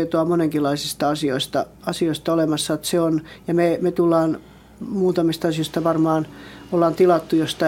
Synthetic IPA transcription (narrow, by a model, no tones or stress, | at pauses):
et̪oɑmoneŋkilːˑɑisist̪ɑɑsioist̪ɑ̰ | ɑsioist̪ɑolemɑsːɑot̪seonjɑmemet̪ulːɑːn | muːt̪ɑmist̪ɑsijoˑist̪ɑʋɑrmɑːnolːɑːnt̪ilɑt̪ːujost̪ɑ